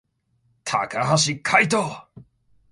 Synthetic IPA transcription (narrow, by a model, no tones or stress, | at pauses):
t̪ʰakʰaɦaɕikʰajt̪o